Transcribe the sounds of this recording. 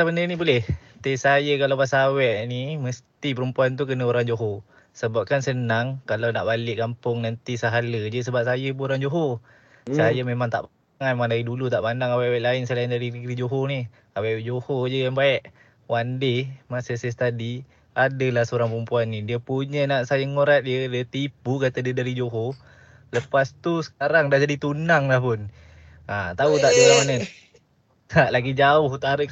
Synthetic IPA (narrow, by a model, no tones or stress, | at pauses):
abənənibolɛht̪esajəkalawpasaːwɛʔniməst̪ipəɾəmpuant̪̬ukənəoɾaŋd͡ʒoɦo | səbap̚kansənaŋkalawnaʔbalɪʔkampʊŋnant̪isaɦaləd͡ʒəsəbap̚sajəbəoɾaŋd͡ʒoɦo | sajəmemaŋt̪a̰ʔp | ŋanmemaŋdaɾidulut̪aʔpandaŋawɛʔawɛʔlaɪnsəlaɪndaɾiɾiɡɾid͡ʒoɦoni | awɛʔʔd͡ʒohod͡ʒəjaŋbaɛʔ | wandɪmasəsəst̪adi | adəlahsəoɾaŋpəmpuanːidiəpuɲənaʔsajaŋoɾat̪̚diədət̪ipukat̪ədədaɾid͡ʒoɦo | ləpast̪usə̥kaɾaŋdaʔd͡ʒadit̪unaŋlahpʊn | at̪aut̪aʔdəlamanə | t̪aʔlaɡid͡ʒaʊht̪aɾəʔ